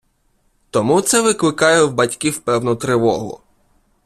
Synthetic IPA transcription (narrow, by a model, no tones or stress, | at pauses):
t̪ɔmut̪sɛʋɪklɪkɑjɛwbɐtʲkʲiwpɛwnɔt̪ɾɪʋɔɦʊ̰